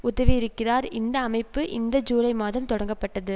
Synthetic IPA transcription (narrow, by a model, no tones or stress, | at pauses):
ʊðɐʋijɪɾɯkːɪraːɾɪnd̪ɐːmɐɪpːɯʔɪnd̪ɐd͡ʒuːlɐɪmaːðɐmt̪ɔɽɐŋɡɐpːɐʈːɐðɯ